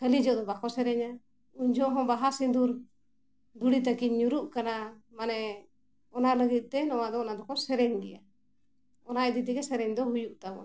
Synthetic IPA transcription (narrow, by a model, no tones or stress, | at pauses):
kəlid͡ʒɔʔd̪ɔbakʰɔsɛɾɛɲa | uɲd͡ʒɔɦɔ̃baɦasind̪uɾ | d̪uɽit̪akiɲɲuɾuʔkanamanɛ | ɔnaləɡit̪̚ˀt̪ɛnɔwad̪ɔnad̪ɔkʰɔsɛɾɛɲɡɛ̰ja | ɔnaɛd̪id̪iɡɛsɛɾɛɲd̪ɔɦujuʔt̪abɔ̰n